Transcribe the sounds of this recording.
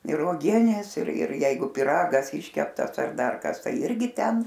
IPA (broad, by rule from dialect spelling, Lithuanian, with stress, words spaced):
ɪr uɔˈɡʲiɛnʲeːs ɪr ɪr ˈjɛɪɡʊ pʲɪˈrɑːɡɐs ˈɪʃʲkʲɛptɐs ɐr ˈdɐr ˈkɐs ˈtɐɪ ˈɪrʲɡʲɪ ˈtʲɛn